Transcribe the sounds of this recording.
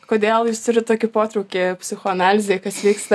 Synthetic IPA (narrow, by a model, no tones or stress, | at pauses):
koːd̪ʲeːlˠjuːst̪ʊɾʲɪt̪oːkʲɪpoːt̪ɾɐʊkʲeːpʲsʲɪxoɐnɑːlʲɪzʲejɛkɐsʋʲiːkst̪ɐ